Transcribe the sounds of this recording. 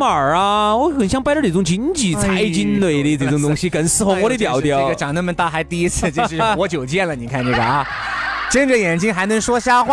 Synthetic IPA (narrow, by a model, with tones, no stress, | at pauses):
ə˨˩ɐ˦wɔ˧˥xə˨˩nɕjɑ˥˧ŋpa˥ʈ͡ʂə˥˩i˨˩t͡sʊ˥˩ŋt͡ɕi˧˥nt͡ɕi˨˩t͡sʰa˧˥ɪt͡ɕi˧˥nnwe˨˧˩ɪli˥˩t͡sə˧˩˧ŋt̪ʊ˥ŋɕi˧kə˨˩nsɹ̩˥˩xŋwɔ˧˥i˧˥t̪jɑ˨˩˥ʊt̪jɑ˥˩əʊ˧t͡ɕjɑ˨˩ŋnə˥˩mə˧˦nt̪a˥˩xa˧˥ɪt̪i˥˩i˥t͡sʰɹ̩˥˧t͡ɕo˥˧˩ʂʂwɔ˧˥t͡ɕjo˨˩ʊt͡ɕjɛ˥˩nlə˩ni˨˩kʰa˥˧nʈ͡ʂɤ˥˩ɡə˩ɐ˧˩ | ʈ͡ʂə˥˧nʈ͡ʂə˨˩jɛ˨˩nt͡ɕi˥ŋxa˧˥ɪnɤ˧˥ŋʂwɔ˥ɕja˥˧xwa˥˩